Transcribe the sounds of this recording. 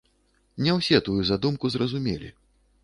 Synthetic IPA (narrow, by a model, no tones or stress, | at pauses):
nʲɛwsʲɛt̪ujuzad̪umkuzrɐzumʲelʲḭ